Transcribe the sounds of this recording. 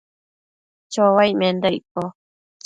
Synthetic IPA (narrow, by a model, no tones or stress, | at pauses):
t͡ʃowajmend̪əjko